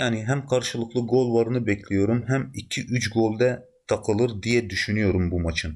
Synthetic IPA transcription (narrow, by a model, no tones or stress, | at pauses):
jaːniɦɛmqʰɑɾʃɯlˠɯqʰlˠɯɡolˠvɑɾɯnɯbɛkʲʰlʲijoɾumɦɛmicʰiʔyt͡ʃɡolˠd̪ɛ | t̪ʰɑqʰɯlˠɯɾd̪ijɛd̪yʃynyjoɾumbumɑt͡ʃʰɯn